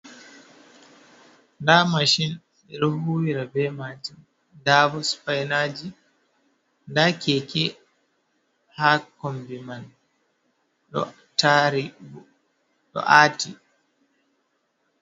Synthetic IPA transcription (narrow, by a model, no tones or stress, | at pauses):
ndamaʃin | ɛɾohuːwiɾabɛmatin | daːbɔspajnaːd͡ʒi | ndakɛkɛ | hakɔmbiman | ɗɔ̰ | taɾibu | ɗɔ̰ʔaːti